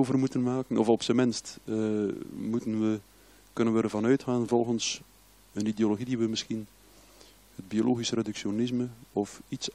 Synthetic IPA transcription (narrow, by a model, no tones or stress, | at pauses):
oːvərmutənmaːkənɔfɔpsəmɪnstː | mutənʋə | kɵnənʋəːrvɑnœɥtxaːnvɔlˠɣəns | ənideoloɣidiʋəmɪsxin | həd̚biolʔoːɣisəredyksjonɪzməɔfits